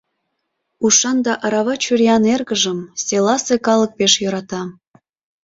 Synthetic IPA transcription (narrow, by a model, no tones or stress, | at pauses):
uʃɑnd̪ɑʔɑɾɑβɑt͡ɕyɾijɑnerɣəʒəmselɑsekɑlək̚peʃjoɾɑt̪ɑ